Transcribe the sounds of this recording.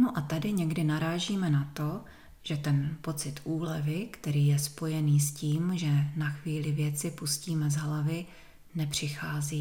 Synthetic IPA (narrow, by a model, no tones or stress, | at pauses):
noʔat̪adɪɲɛɡdɪnaɾaːʒiːmɛnat̪o̞ | ʒ̥ɛt̪ɛnpo̞t͡sɪt̪ʔuːlɛvɪkt̪ɛɾiːjɛspo̞jɛniːsciːmʒɛnaxviːlɪvjɛt͡sɪpusciːmɛzɦlavɪ | nɛpr̝̥ɪxaːziː